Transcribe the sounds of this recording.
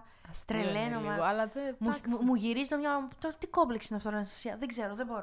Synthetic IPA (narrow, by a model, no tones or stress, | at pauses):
st̪ɾelenomɐɐlɐvemumuʝiɾizet̪omɲɐt̪ot̪iko̞pliksinɐft̪oɾɐnɐst̪ɐ̥siɐðeɡze̞ɾoðebo̞ɾo